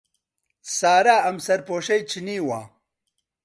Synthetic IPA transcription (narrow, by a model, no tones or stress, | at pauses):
saːɾaːɐmsɐɾpoːɕɐjt͡ɕʰiniːwa̰ː